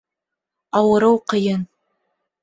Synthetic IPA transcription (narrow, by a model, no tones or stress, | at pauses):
ɑwɤ̆ɾɤwqəjɤn